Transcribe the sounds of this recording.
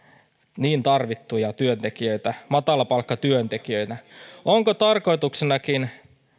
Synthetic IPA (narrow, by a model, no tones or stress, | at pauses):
niːnt̪ɑrʋit̪ːujɑt̪yønt̪ekiøit̪æmɑt̪ɑlɑpɑlkːɑt̪yønt̪ekiøit̪æoŋkot̪ɑrko̞it̪uksenɑkin